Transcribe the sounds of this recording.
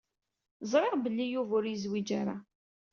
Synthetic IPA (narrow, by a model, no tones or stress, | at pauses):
zˤɾˤeʁbəlːijuvʊɾjəzwid͡ʒaɾa